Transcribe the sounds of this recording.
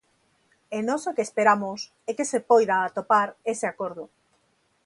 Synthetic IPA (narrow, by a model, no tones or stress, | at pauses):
enɔsokespeɾamos | ɛkesepojðaːt̪opaɾeseakoɾð̞ʊ